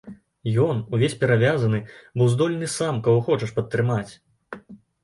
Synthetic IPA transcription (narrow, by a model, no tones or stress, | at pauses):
jɔnuvʲesʲpʲɛɾavʲazɐnɨbɨwzd̪ɔlʲnɨsamkɐwɔxɔt͡ʂɐʂpɐt̪ːɾɨmat͡sʲ